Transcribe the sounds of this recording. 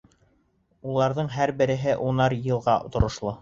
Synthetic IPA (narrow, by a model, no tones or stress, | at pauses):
ulˠɑɾðɤɴɦæɾbɘ̆ɾɘ̆ɦɘʔunɑɾjɤ̆lˠʁɑt̪ŏɾŏʃlˠɤ